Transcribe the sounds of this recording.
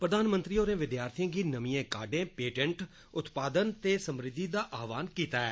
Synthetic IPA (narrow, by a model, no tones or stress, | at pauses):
pɾəd̪aːnmə̃nt̪ɾiːoːɾẽːʋɪd̪jaːɾt̪ʰijãːɡiːnəmiːẽːkaːɖẽːpeːʈɛ̃ɳʈ | ʊt̪paːd̪ənt̪eːsəmɾɪd̪ːiːd̪aːʔaːʋaːnkiːt̪aːɛː